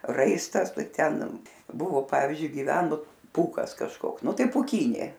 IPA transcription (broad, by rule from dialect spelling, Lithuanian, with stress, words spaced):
ˈrɐɪstɐs ˈtɐɪ ˈtʲɛn ˈbʊʋoː ˈpɑːʋʲiːzʲd͡ʒʲʊɪ ɡʲɪˈʋʲæːnʊ ˈpuːkɐs kɐʃˈkoːks ˈnʊ ˈtɐɪ puːˈkʲiːnʲeː